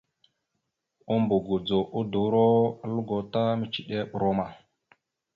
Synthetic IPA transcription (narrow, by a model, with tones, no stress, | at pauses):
o˦mbo˨ɡo˨d͡zo˨ʔo˦do˨˦ɾo˦lu˦ɡo˨ta˦mi˦t͡ʃi˨ɗe˦ɓɾo˦ma˨